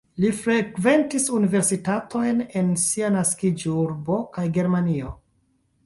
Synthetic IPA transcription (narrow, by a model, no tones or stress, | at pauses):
lifɾekve̞ntisunive̞ɾsitatʰo̞jne̞nsianaskid͡ʒuɾbo̞kajɡe̞ɾmanio